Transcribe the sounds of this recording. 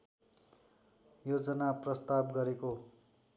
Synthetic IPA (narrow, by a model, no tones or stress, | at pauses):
jod͡zʌnaprʌst̪abɡʌɾeko